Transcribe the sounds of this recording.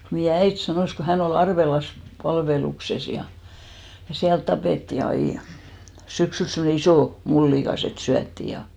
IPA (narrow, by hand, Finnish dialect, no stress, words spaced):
meijæ æit sɑnoˑs ko hæn ol ɑrʋelɑs pɑlʋelukses jɑ jɑ siælt tɑpeˑtːi ɑi syksyls semne isoˑ mulːiˑkɑs et syætːiˑ jɑ